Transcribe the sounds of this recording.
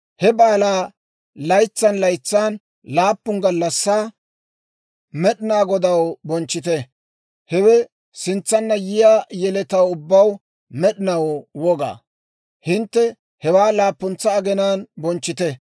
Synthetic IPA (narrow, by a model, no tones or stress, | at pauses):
hɛbaːlaː | lɐjt͡sːɐnlɐjt͡sːaːn | laːpːʊŋɡɐlːɐsːaː | mɛɗɪnaːɡɔd̪ɐwbɔnt͡ʃːɪt̪ɛ | hɛwɛ | sɪnt͡sːɐnːɐjɪjaːjɛlɛt̪ɐwʊbːɐw | mɛɗɪnɐwwɔɡa̰ː | hɪnt̪ːɛ | hɛwaːlaːpːʊnt͡sːɐːɡɛnaːnbɔnt͡ʃːɪt̪ɛ